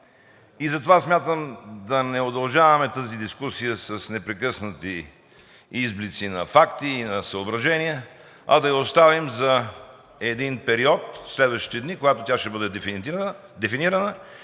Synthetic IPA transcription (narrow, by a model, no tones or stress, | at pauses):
izɐt̪ovasmʲjat̪əmd̪ɐnɛod̪ɐlˠʒavɐmɛt̪əzid̪iskusijəsɐsnɛpɾɛkɤsnət̪i | izblit̪sinɐfakt̪iːnɐsɐobɾɐʒɛniə | ɐd̪ɐjəost̪avimzɐ | ɛd̪inpɛɾiɔt̪slɛd̪vɐʃt̪i̥t̪ɛd̪nikoɡat̪ot̪ʲaʃt̪ɛbɤd̪ɛ | d̪ɛfiniɾənə